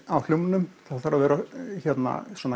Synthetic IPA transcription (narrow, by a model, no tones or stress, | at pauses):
awlʏwmɪnʏmθaðθaɾavɛːɾaçɛt̪na̰sɔːna